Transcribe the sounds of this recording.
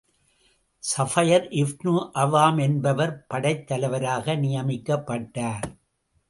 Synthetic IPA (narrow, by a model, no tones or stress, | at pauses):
sɐfɐjɐɾʔɪfnuːʔɐʋaːmɛnbɐʋɐɾpɐɽɐɪt̪ːɐlɐɪʋɐɾaːɣɐnɪjɐmɪkːɐpːɐʈːaːɾ